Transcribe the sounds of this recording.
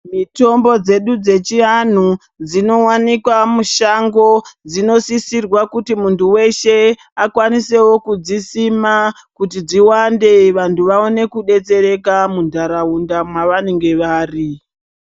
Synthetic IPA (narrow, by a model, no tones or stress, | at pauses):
mito̞mbo̞d͡ze̞ɗud͡ze̞t͡ʃian̤u | d͡zino̞wanikwamuʃaŋɡo̞d͡zino̞sisirwakutimuntuwe̞ʃe̞ | akwanise̞wo̞kud͡zisima | kutid͡ziwande̞ʋantʰuʋao̞ne̞kuɗe̞t͡seɾe̞kamundʱaɾaundamwaʋane̞ŋɡe̞ʋaːri